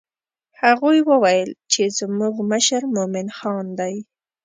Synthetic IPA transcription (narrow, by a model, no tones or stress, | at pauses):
haɣujwəwajəlt͡ʃezmuɡməʃəɾmʊmɪnxɑnd̪aj